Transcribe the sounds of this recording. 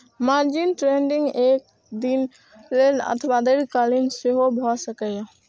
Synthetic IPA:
maːɾd͡ʒinʈɾeːɳɖɪ̃ŋɡeːk̚ | d̪in | lenə̰t̪ʰwad̪əɾkaːlinseɦobʱɔsəkəja

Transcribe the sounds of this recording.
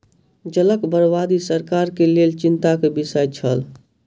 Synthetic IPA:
d͡ʒələkbəɾbad̪isəɾkaɾkelelt͡ʃint̪akebisəjt͡ʃʰəl

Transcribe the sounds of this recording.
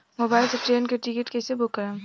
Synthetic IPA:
mobaːɪlseʈɾeːnkeʈɪkɪʈkesebʊkːəɾa

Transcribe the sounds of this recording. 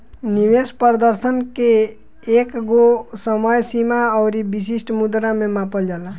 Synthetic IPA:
niwespəɾd̪əɾsənkeː | kɡosəməjsimaəʊɾibis̬isʈmud̪ɾamemapəld͡ʒala

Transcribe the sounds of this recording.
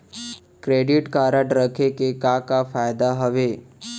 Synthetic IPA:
kɾeɖiʈkaɾəʈɾəkʰekekakafajd̪aɦəʋe

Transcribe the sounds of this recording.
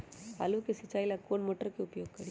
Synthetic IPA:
pa̰lukesət͡ʃaːilakoːnmoːʈəɾkiʊpjoːɡ̚kəɽi

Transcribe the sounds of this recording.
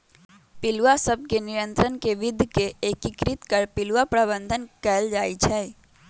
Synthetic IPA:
pɪlwasəb̚kenɪɾə̃nt̪ɾənkeʋɪd̪ʱjkekeːkɪkɾɪt̪kəɾpɪlwapɾaβə̃nd̪ʱənkɛld͡ʒaːit͡ʃʰɛː

